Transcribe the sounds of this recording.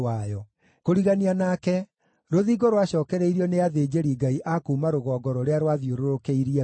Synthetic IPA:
ajɔ | koɾiɣanianakɛ | ɾoðiɡoɾoaɕɔːkɛɾɛiɾiɔneaðeːd͡ʑeɾiɡaiʔakuːmaɾoɣɔːɡɔɾɔɾeaɾwaðjoɾoɾokeiɾiɛ

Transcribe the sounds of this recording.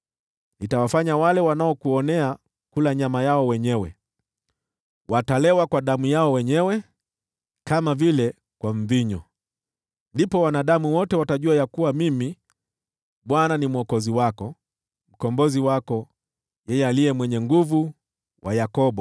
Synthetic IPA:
nitawafaɲawalɛwanaɔkuɔnɛa | kulaɲamajaɔwɛɲɛwɛ | watalɛwakwaɗamujaɔwɛɲɛwɛ | kamavilɛ | kwam̩viɲɔ | ndipɔwanaɗamuwɔtɛwataʄuajakuwamimi | ɓwananimuɔkɔziwakɔ | m̩kɔmbɔziwakɔ | jɛjɛalijɛmwɛɲɛŋɡuvu | wʔajakɔɓɔ

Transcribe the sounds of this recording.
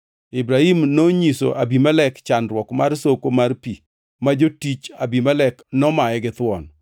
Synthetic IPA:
ibɾahimnoɲiso̰ʔabimalɛkt͡ʃanɾwɔkmarsokomarpi | mad͡ʒotit͡ʃabimalɛknɔmaɛɡɪt̪wɔ̰n

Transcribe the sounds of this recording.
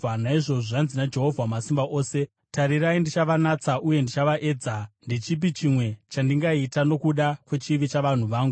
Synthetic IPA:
anaiʐo̞ʐoʐanzinad͡ʒe̞ɦo̞vʱamasimbaʔo̞ːse̞ | taɾiɾaindit͡ʃaʋanat͡saʔuje̞ndit͡ʃaʋaʔe̞ːd͡zandit͡ʃip̬it͡ʃimwe̞t͡ʃandiŋɡaitano̞kuɗakwe̞t͡ʃiʋit͡ʃaʋan̤uʋaːŋɡu

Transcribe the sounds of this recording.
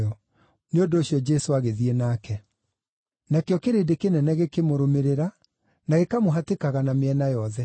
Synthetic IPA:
ɔ | neondooɕjɔd͡ʒɛsoaɣeðienaːkɛ | nakeɔkeɾedekenɛnɛɣekemoɾomeɾeɾa | naɣekamoɦatekaɣanameɛnajɔðɛ

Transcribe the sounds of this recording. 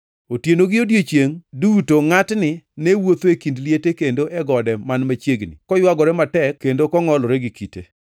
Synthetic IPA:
otjenoɡɪodjet͡ʃjeŋdutoŋatnɪnewot̪oekindlijetekendoʔɛɡɔdɛmanmat͡ʃjeɡnɪ̰kɔjwaɡɔɾɛmatɛkkːendokɔŋɔlɔɾɛɡikite

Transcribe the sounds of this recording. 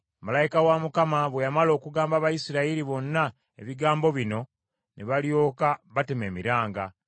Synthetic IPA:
malajikawamukamaβwe̞jamalo̞ːkuɡaːmbaβajisiɾaiɾiβo̞nːa | ḛβiɡaːmbo̞βino̞ | neβaljo̞ːkaβateme̞ːmiɾaːŋɡa̰

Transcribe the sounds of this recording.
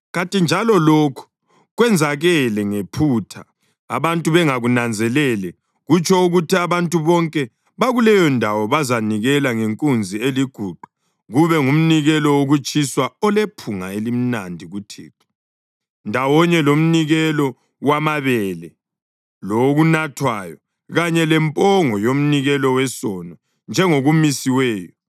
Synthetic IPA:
ɣantʼind͡ʒʱalɔlokʰu̥ | ɣwɛnd͡zʱaɣɛlɛŋepʰutʰa | a̰βantʼuβɛŋaɣunand͡zʱɛlɛlɛ | ɣut͡ʃʰɔuɣutʰiaβantʼuβɔŋkʼɛ | βaɣulɛjɔndʱawɔβazaniɣɛlaŋeŋkʼund͡zʱieliɡ̥ʱuǃʱu̥ | ɣuβɛŋum̩niɣɛlɔwoɣut͡ʃʼiswaɔlepʰuŋaelim̩nandʱiɣutʰḭːǃʰi̥ | ndʱawɔɲɛlom̩niɣɛlɔ | wamaβɛlɛ | loɣunatʰwajɔ | ɣaɲɛlɛmpʼɔŋɔjom̩niɣɛlɔwɛsɔnɔ | nd͡ʒʱɛŋoɣumisiwɛːjɔ

